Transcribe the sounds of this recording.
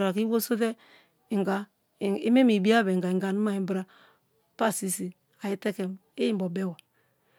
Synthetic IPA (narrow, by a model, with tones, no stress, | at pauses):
ɾa˨ki˦wo˦so˦tɛ˦ | i˨ŋɡa˨ | i˦me˦mi˨bi˦a˦bɛ˨ŋ˨ɡa˨i˨ŋɡa˨nu˦ma˦i˨mbɾa˦ | pa˦˨si˦si˨ | a˨ji˦tɛ˦kɛ˦m | e˦ji˦m˦bɔ˨bɛ˦˨wa˨